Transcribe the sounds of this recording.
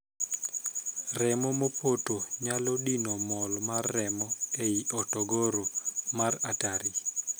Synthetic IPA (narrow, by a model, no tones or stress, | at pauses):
rɛmɔmopʰotoɲalɔɗinomɔlmarːɛmɔeiʔɔtɔɡoɾomarataɾi